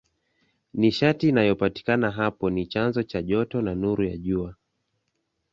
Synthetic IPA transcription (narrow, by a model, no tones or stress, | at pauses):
niʃatiːnajɔpati̥kanaɦapɔnit͡ʃanzɔt͡ʃaʄɔtɔnanuɾujaʄua